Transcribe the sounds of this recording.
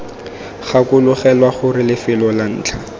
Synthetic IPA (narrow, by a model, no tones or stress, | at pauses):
χakʊlʊχɛlwaχʊrɪlɪfɪlɔlan̩ːt͡ɬʰa